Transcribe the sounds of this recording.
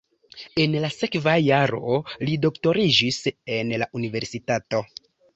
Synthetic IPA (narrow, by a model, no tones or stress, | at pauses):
e̞nlase̞kvajaɾo̞̰lido̞kto̞ɾid͡ʒise̞nlaʔunive̞ɾsitato̞